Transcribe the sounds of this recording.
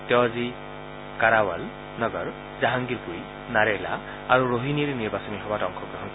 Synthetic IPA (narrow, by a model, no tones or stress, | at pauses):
tɛwazi | kaɾawal | nɔɡɔɹ | zaɦaŋɡiɹpuɾi | naɾɛjla̰ː | ɹuɹoɦiniɾɛniɹbasɔmiɦɔbatɔŋkʰɔɡɾɹɔɦɔn